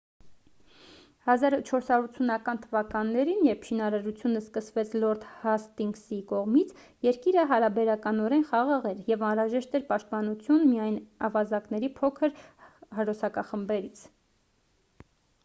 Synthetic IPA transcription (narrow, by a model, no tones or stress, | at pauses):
hɑzɑɾt͡ʃʰɔɾsɑɾuɾut͡sʰunɑkɑnt̪ʰəvɑkɑnːɛɾinjɛɾpʰʃinɑɾɑɾut͡sʰjunəskəsvɛt͡sʰlɔɾt̪hɑst̪iŋksikɔʁmit͡sʰ | jɛɾkiɾəɦɑɾɑbɛɾɑkɑnɔɾɛnχɑʁɑʁɛɾjɛvɑnɾɑʒɛʃt̪ɛɾpɑʃt̪̚pɑnut͡sʰjunmijɑjnɑ̰vɑzɑknɛɾipʰɔkʰəɾhəɾɔsʰɑkɑχəmbɛɾit͡sʰ